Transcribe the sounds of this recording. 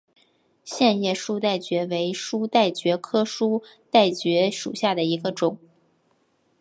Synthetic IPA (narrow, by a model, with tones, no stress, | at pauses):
ɕjɛ˥˧njɛ˥˩ʂu˥t̪a˥˩ɪt͡ɕɥɛ˧˥we˧˥ɪʂu˥t̪a˥˩ɪt͡ɕɥɛ˧˥kʰɤ˥ʂu˥t̪a˥˩ɪt͡ɕɥɛ˧˥ʂṵ˨˩ɕja˥˩d̪ə˩i˧˥ɡə˧ʈ͡ʂʊ˨˩˦ŋ